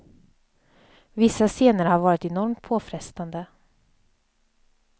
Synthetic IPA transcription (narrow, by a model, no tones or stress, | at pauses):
vɪsːaseːnəɾhaɾvɑːɾɪt̪ɛnɔɾmt̪̚pʰoːfɾɛst̪and̪ə